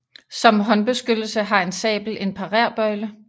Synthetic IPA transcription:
sɒ̽mɦɒ̽nb̥e̝sɡ̥ød̥l̩səɦɑ̈e̝nsɛ̰ːb̥l̩e̝npʰɑ̈ʁæɐ̰b̥ɒɪlə

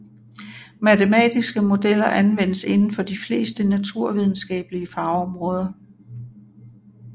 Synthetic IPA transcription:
mæt͡sʰemɛ̰ːd̥isɡ̥əmo̝d̥el̰ɐʔænʋen̰əse̝nn̩fɒ̽d̥ifle̝̰ːsd̥ənæt͡sʰuɐ̰ʋið̞ˠn̩sɡ̥ɛ̰ːb̥əliəfɑ̈ʊɒmʁɔ̽ːð̞ˠɐ

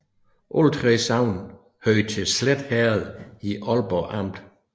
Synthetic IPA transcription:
ʔolt͡sʰʁɛsɑʊ̰n | høɪt͡sʰe̝sled̥hæːɐð̩ˠiʔɒlb̥ɒʔɑm̰d̥

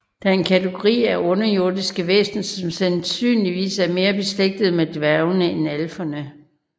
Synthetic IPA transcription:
d̥æɐe̝nkʰæt͡sʰeɡ̥o̝ʁḭːæɔ̽nɐjo̝ɐdˠisɡ̥əʋḛːsn̩sɒ̽msænsy̰ːnliʋḭːsæɐme̝ːɐb̥e̝sleɡ̥̚d̥ð̞̩ˠmed̥ʋæɐʊnəenælfɐnə

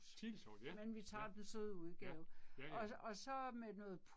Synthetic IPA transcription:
imenʋit͡sʰɑ̈ːd̥ensøðˠəuð̞ˠɡ̥ɛːʊɒ̽ɒ̽sɒ̽menɔ̽ːð̩ˠpʰ

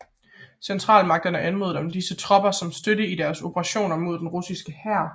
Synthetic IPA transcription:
sent͡sʰʁɑ̰̈ːlmɑ̈ɡ̥̚d̥ɐnəʔænmo̝ðˠd̥emd̥isət͡sʰʁɒ̽b̥ɐsɒ̽msd̥øɾəidæɐso̝bʰəʁɑ̈ɕo̝̰ːnɐmo̝ð̞̥ˠenʁusisɡ̥əhæɐ̰

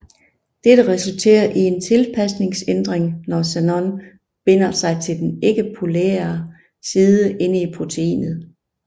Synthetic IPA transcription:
d̥ed̥əʁɛsult͡sʰe̝̰ːɐʔie̝nt͡sʰe̝lpʰæsne̝ŋsend̥ʁeŋnɒsænɒn | b̥e̝n̰ɐsɑ̈ɪt͡sʰeld̥ene̝ɡ̥əpʰoleːɐ | siːðˠəʔe̝nəipʰʁo̝t͡sʰeḭːnð̩ˠ

